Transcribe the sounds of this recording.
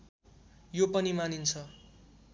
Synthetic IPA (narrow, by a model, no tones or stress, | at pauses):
jopʌnimanint͡sʰʌ